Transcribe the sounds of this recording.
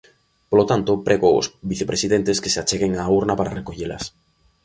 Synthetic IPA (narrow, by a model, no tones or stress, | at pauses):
polot̪ant̪opɾeɣoo̰sbiθepɾesiðent̪eskeseat͡ʃeɣeŋauɾnapaɾarekoʝela̰s